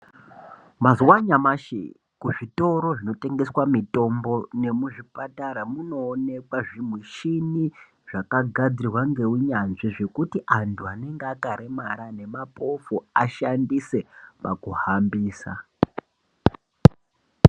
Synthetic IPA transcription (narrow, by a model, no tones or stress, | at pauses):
mazwaɲamaʃḛ | kuʐito̞ɾo̞ʐino̞te̞ŋɡe̞swamito̞mbo̞ne̞muʐipataɾamuno̞ːne̞kwaʐimweʃini | ʐ̥akaɡʱad͡zirwaŋɡe̞uɲanʐiʐe̞kutiʔantʰuane̞ŋɡeakaɾemaɾane̞mapʰo̞foaʃandise̞pakuhambiːsa̰